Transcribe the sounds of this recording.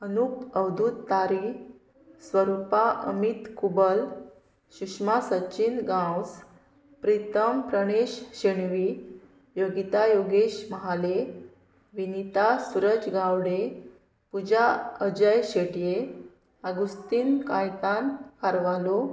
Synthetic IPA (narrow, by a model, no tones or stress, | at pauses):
ənupəʋd̪ʱut̪ːaɾi | sʋəɾupaʔə̰mit̪kubəl | ɕukʂmasət͡ɕinɡãws | pɾit̪əmpɾəɽ̃eɕɕeɳʋi | joɡit̪ajoɡeɕməɦale | ʋinit̪asuɾəd͡ʑɡawɽe | pud͡ʑaəd͡ʑəjɕeʈije | əɡust̪iːnkajt̪ankaɾʋalo